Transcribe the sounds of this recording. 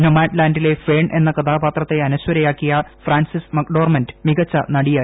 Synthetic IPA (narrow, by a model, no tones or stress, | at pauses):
nomaːʈlaːndile̞fe̞ːɳʔe̞̰nːɐkɐd̪aːbaːt̪rɐt̪ːe̞ɐnɐswɐɾɐjaːkːijɐfraːnsismɐkɖo̞ːrmɐndɨmiɣɐt͡ɕːɐnɐɽijaː